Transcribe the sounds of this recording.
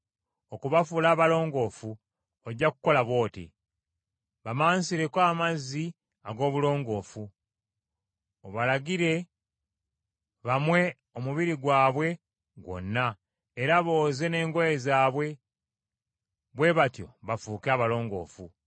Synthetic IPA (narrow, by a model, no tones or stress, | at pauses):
okuβafulaːβalo̞ːŋɡo̞ːfu | oɟːaku̥ko̞laβwo̞ːtḭ | βamaːnsiɾe̞kwaːmazi | aɡo̞ːβulo̞ːŋɡo̞ːfu | oβalaɡiɾe̞ | βamwe̞ | omuβiɾiɡwaːβwe̞ | ɡwo̞̰nːa | eɾaβo̞ːze̞ne̞ːŋɡojezaːβwe̞ | βwe̞βatjo̞βafuːkeaβalo̞ːŋɡo̞̰ːfu